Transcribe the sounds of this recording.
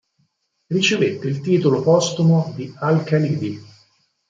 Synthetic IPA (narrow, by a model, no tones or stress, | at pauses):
rit͡ʃevet̪ːeilt̪iːt̪olopɔst̪umod̪ialkalid̪i